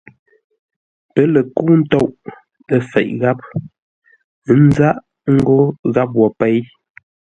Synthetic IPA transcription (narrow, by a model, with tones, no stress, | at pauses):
pə˦lə˨ku˦n̩˦tɔ˦˨ʔ | ə˨fɛ̰˨ʔɣa˦p̚ | n̩˦za˦ʔ | ŋ̩˦ɡo˦ɣa˦p̬̚wɔ˨pɛ˦j